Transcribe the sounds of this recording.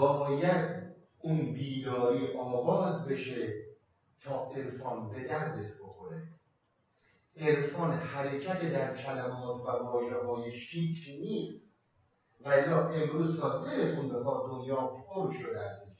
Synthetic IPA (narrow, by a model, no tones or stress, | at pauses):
bɒːjæd̪ | ʔunbiːd̪ɒːɾiːʔɒːɣɒːzbe̞ʃe̞ | t̪ʰɒːʔe̞ɾfɒːnbe̞d̪æɾd̪et̪ʰbo̞xo̞ɾe | ʔeɾfɒːnhæɾecʰæt̪ʰed̪æɾcʲʰælæmɒːt̪ʰvævɒːʒeɦɒːjeʃiːkʰɾniːst̪ | vælːɒːʔe̞mɾuːzt̪ʰɒːd̪eɾet̪unrefɒːɣd̪onjɒːolʃod̪eæs